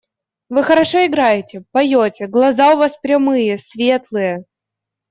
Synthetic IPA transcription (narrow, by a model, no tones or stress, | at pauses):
vɨxəɾɐʂoɪɡɾajɪtʲɪpɐjotʲɪɡlˠɐzaʊvaspɾʲɐmɨjəsvʲe̞t̪lˠɨjə